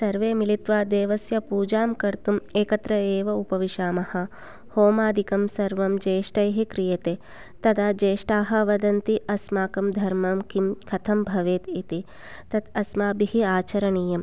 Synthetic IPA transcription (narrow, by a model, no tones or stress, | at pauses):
sɐɾʋeːmilit̪ʋaːd̪eːʋɐsjɐpuːd͡ʒaːmkɐɾt̪umeːkɐt̪ɾɐeːʋɐupɐʋiʃaːmɐhɐ | hoːmaːd̪ʱikɐmsɐɾʋɐmd͡ʒeːʂʈɐjɦikɾijɐt̪eː | t̪ɐd̪aːd͡ʒeːʂʈaːɦɐ̆ʋɐd̪ɐnt̪iʔɐsmaːkɐmd̪ʱɐɾmɐmkimkʰɐt̪ʰɐmbʱɐʋeːt̪it̪i | t̪ɐt̪ɐsmaːbiɦiaːt͡ʃɐɾɐɳiːjɐm